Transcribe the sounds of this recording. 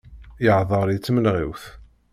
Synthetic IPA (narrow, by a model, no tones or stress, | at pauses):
jəʕðˤəɾit͡sːmənʁiwθ